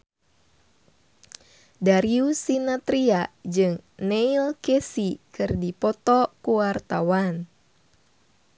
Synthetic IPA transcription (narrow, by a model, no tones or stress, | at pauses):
daɾiusinat̪ɾiad͡ʒɨŋnɛilkɛsikɨrdipɔt̪ɔkuwart̪awan